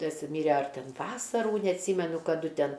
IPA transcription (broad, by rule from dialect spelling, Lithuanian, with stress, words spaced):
ˈtɐs ˈmʲiːrʲɛ ɐr ˈtʲɛn ˈʋɑːsɐruː nʲɛɐtʲˈsʲiːmʲɛnʊ kɐˈdʊ ˈtʲɛn